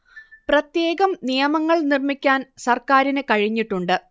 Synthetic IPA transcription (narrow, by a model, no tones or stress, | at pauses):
prɐt̪je̞ːɣɐmnijɐmɐŋːɐɭnirmikʲːaːnsɐrkaːɾinɨkɐɻiɲːiʈːuɳɖɨ